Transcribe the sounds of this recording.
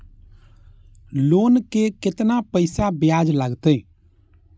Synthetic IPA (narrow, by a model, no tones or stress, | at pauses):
loːnkekɪt̪napəɪsabjad͡ʒləɡt̪e